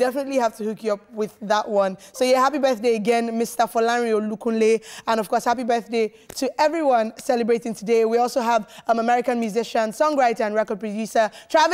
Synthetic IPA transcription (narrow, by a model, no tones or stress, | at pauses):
dɛfənətˡlihaftəhukjɨʌp̚wɪðəʔ̚wʌ̃nsoʊjæhapibɜ˞θdeɪəɡɛ̃nmɪstəfolãɹiolukũnleə̃nʌv̥kʰɔˑɹshapibɜ˞θdeɪ | tʰɨʔɛvɹiwʌ̃nsɛləbɹeɪtɪ̃ŋtʰɨdeɪwiɔlˠsoəvʌ̃məmɛɹɪkə̃nmjʉzɪʃə̃nsɔ̃ŋɹaɪtə˞ə̃nɹɛkə˞d̚pʰɹədjʉsə˞tʰɹ̥av